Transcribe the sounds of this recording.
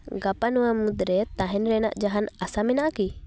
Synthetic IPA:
ɡapanuwamud̪ɾɛt̪ãɦɛnɾɛna̰ʔd͡ʒaɦanasamɛnaʔki

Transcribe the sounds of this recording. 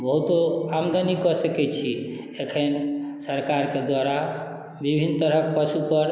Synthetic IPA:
bəɦut̪oamd̪ʱanikɔsəkɛt͡ʃʰi | ekʰensəɾkaɾked̪waɾa | bibʱint̪əɾək̚pəsupəɾ

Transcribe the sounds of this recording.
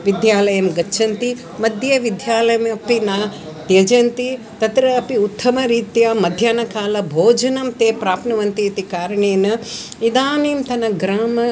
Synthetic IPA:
ʋid̪ʱjaːlɐjɐmɡɐtːʃʰɐnt̪i | mɐd̪ʱjɐʋɪd̪ʱjaːlɐjɐmɐpinaː | t̪jɐd͡ʒɐnt̪i | t̪ɐt̪ɾɐːpiut̪ʰːɐmɐɾiːt̪jaːmɐd̪ʱjaːnɐkaːlɐbʱoːd͡ʒɐnɐmt̪eːpɾaːpʰnɐʋɐnt̪iɐt̪ikaːɾɐɳeːnɐ | id̪aːniːmt̪ɐnɐɡɾaːmɐ

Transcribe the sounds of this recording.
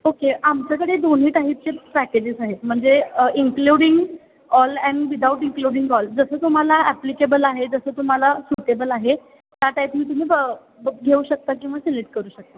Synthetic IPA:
okeamt͡ɕakəɽed̪on̤ɦiːʈaɦiːt̚t͡sepæked͡ʑisaɦet̪m̤əɳd͡zeiŋkluɽiŋɡ | ɔlɛ̃ɳʋid̪ʱauʈiŋkluːɽiŋɡɔld͡zəsəːt̪um̤alaæplikebəlaɦed͡zəsəːt̪um̤alasuʈebəlaɦe | t̪jaʈaipmiːt̪um̤iːb | ɡʱeuːɕək̚t̪akĩw̃ʋaseleʈ̚kəɾuːɕək̚t̪a

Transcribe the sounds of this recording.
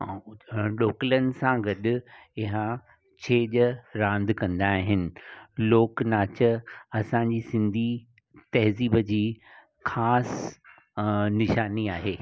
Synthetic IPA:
ɗoːklənɪ̆sãɡɐɗɪ̆ɪɦã | t͡ɕʰeːʄəɾãːnd̪ʱkɐ̃nd̪aːɦɪnɪ̆loːknaːt͡ɕəɐsãɲd͡ʑiːsɪ̃nd̪ʱi | t̪ɐɦziːbəd͡ʑiː | xaːs | nɪʃaːniaːɦeː

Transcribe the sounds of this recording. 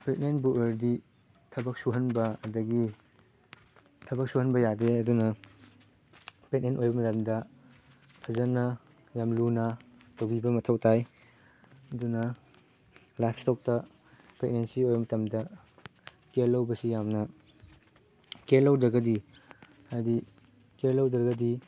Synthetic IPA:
pek̚nenbuʔeɾdi | tʰɐbɐk̚suɦɐnbɐɐdɐɡi | tʰɐbɐk̚suɦhɐnbɐjadeɐdunɐ | pek̚nenʔojbɐmɐtɐmdɐ | tʰɐzɐnɐ | jamlunɐ | tɐwbibɐmɐtʰɐwtʰaj | ɐdunɐ | lap̚ʰstɔk̚tɐ | pek̚nensiojbɐmɐtɐmdɐ | kelːɐwbɐsijamnɐ | kelːɐwdɐɡɐdi | hajdikelːɐwdɾɐɡɐdi

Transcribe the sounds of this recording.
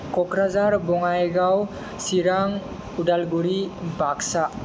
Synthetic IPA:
kɔkɾazaɾbɔŋajɡaw | siɾaŋ | udalɡuɾibaksa

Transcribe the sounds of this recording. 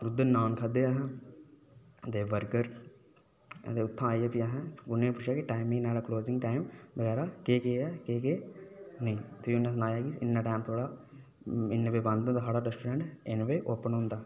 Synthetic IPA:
ɾʊd̪ənaːnkʰəd̪eaːɦɛ̃ː | d̪eːʋəɾkəɾ | t̪eːʊt̪ʰːãaːiet̪iaːɦɛ̃ːʊnẽpʊt͡ʃʰjaːkiʈaːɪmɪ̃naːlaːkloːzɪ̃ŋɡʈaːɪmʋəɡɛːɾaːkeːkeɛːkeːkenəĩːt̪ːʊnːãːs̬naːjaːɡiɪnːãːʈaːɪmt̪ʰoːɽaː | ɪnːʋeːbãnd̪õd̪ɦaːɽaːɾɛsʈoːɾɛ̃ːɳʈɪnʋeːʔoːpənɦõːnd̪aː

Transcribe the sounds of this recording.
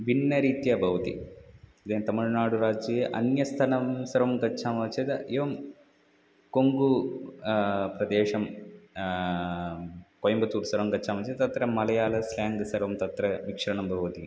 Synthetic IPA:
ʋinːɐɾiːt̪jɐbʱɐʋɐt̪ḭid̪eːnt̪ɐmɐɭnaːɽuɾaːd͡ʒjɐeʔɐ̰njɐst̪ʰɐnɐmsɐɾɐmɡɐtːt͡ʃʰaːmɐt͡ʃɐd̪ɐeʋɐm | koŋɡu | pɾɐd̪eːʂɐm | kojɐmbɐt̪uːʈsɐɾɐmɡɐʃʰaːmɐt͡ʃɐt̪ɐt̪ɐt̪ɾɐmɐlɐjaːlɐslaːŋɡɐsɐɾʋɐmt̪ɐt̪ɾɐʋikʂɐɾɐɳɐmbʱɐʋɐt̪i

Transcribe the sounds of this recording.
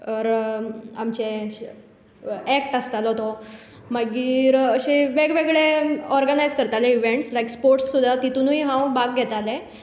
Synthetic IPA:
ɔɾamt͡ɕe | ɛk̚ʈəst̪alɦot̪o | maɡiːɾəɕeʋeɡʋeɡɭeɔɾɡənajd͡zkəɾt̪alẽiʋeɳʈslajkspoɾʈsːud̪ʱːat̪it̪unuiɦãwbaɡɡʱɛt̪alẽ

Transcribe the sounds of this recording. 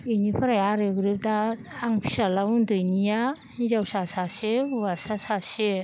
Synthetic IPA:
inipʰaɾajaɾɯɡɾɯp̚daː | ŋpʰi̥salawundɯjnija | zawsasasewasasase

